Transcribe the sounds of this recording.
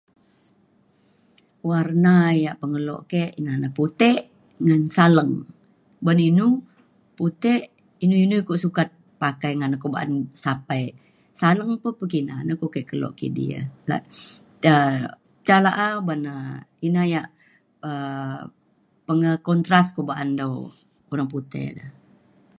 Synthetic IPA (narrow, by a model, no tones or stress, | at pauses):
warnajaʔpəŋəlɔ̰ʔkeʔinanaput̪ɛʔ | ŋansaləŋ | baninu | put̪eʔ | inuinukoʔsukat̪̚ | pakajŋanakoba̰ʔa̰nsapaj | saləŋpəpəkinanəkoʔkɛʔkəlɔ̰ʔkḭʔdḭə̰la̰ʔ | ə | t͡ʃalaʔabanainajaʔ | ə | pəŋəkɔnt̪ɾaskobaʔandow | oɾaŋput̪ɛ̰dəh